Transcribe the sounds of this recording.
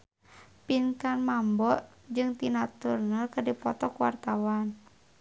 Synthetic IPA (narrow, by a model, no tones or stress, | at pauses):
pinkanmambɔʔ | d͡ʒɨŋt̪inat̪urnəlkərdipɔt̪ɔkuwa̰rt̪awan